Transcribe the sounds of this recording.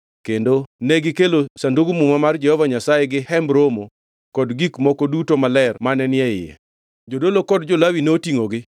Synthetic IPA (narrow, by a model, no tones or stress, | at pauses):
kendonɛɡɪkelosandoɡumumamard͡ʒɛhɔvaɲasajeɡɪhɛmbɾomo | kɔdɡikmɔkɔdutomalɛrmanɛnɪɛɪjɛ̰ | d͡ʒodolokɔdd͡ʒolawinotiŋoɡɪ